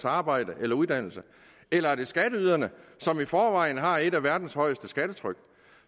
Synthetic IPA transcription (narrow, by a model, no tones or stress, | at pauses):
sɑ̈ːb̥ɑ̈ɪd̥əʔelɐuðˠd̥æn̰l̩sə | elɐæɐ̥e̝sɡ̥æɾəyːð̞ˠɐnəsɒ̽mifɒːʋɑ̈ɪn̩ɦɑ̈e̝ɾæʋæɐd̥n̩shɒ̽ɪ̰sd̥əsɡ̥æɾ̥ət͡sʰʁœɡ̥